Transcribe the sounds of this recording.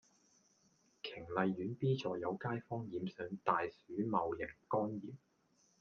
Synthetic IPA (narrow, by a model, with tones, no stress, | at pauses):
kʰɪ˨˩ŋlɐ˨jːyː˨˥npiː˥t͡sɔː˨˩jɐ˨˧wkaː˥jfɔː˥ŋjiː˨˧msœː˨ŋt̪aː˨jsyː˨˥mɐ˨wjɪ˨˩ŋkɔː˥njiː˨˩m